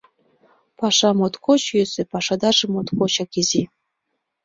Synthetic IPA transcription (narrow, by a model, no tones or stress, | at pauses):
pɑʂɑmot̪kʰot͡ɕjøsɘ̆pɑʂɑd̪ɑʐĕmot̪kot͡ɕɑkizi